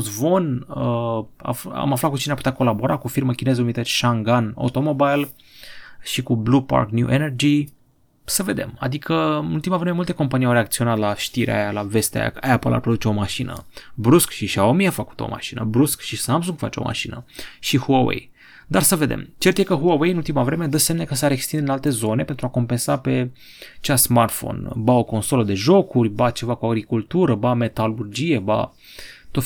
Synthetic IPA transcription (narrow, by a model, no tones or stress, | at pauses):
zvo̞nəa̰fa̰maflat̪̚kut͡ʃineapu̥t̪ʲako̞labo̞ɾakufirməkʲine̞zunit̪əsʲʃaŋɡano̰t̪o̞mobajl | ʃikublupa̰rknjṵʔenerd͡ʒi | səve̞d̪e̞̰ma̰d̪ikʰəult̪imaveɾmajmult̪e̞ko̞mpanijawɾeak̚t̪sio̞nat̪laʃt̪iɾʔḛa̰jalave̞st̪ea̰ja̰ajapə̰lʔa̰pɾod̪ut͡ʃeo̞maʃinə̰bɾuskʃiʃaomiafəku̥t̪o̰ma̰ʃinə̰bɾuskʃisamsuŋɡfat͡ʃo̰mʔa̰ʃinə̰ʃihuawḛj | d̪arsəve̞d̪ḛmt͡ʃert̪jekəɦuawejɨnult̪imavɾe̞med̪əsemnekəsaɾekst̪ind̪ɨnalt̪e̞zo̞ne̞pe̞nt̪ɾuako̞mpe̞nsape̞ | t͡ʃasmart̪fo̰nbao̞ko̞nso̞ləd̪e̞ʒo̞kurʲbat͡ʃe̞vakuaɡɾikult̪uɾəbame̞t̪alurd͡ʒije̞ba̰ | t̪o